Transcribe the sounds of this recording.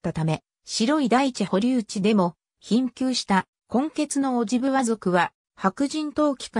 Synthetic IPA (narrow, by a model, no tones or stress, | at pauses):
t̪ːat̪ame̞ | ɕiɾo̞id̪ait͡ɕiho̞ɾʲiɯ̟t͡ɕid̪e̞mo̞ | çĩŋkʲɨːɕi̥t̪a | kõ̞ŋke̞t͡sɨno̞ːʑibɯ̟βazo̞kɯ̟βa | hakɯ̟ʑĩnt̪o̞ːkʲi̥ka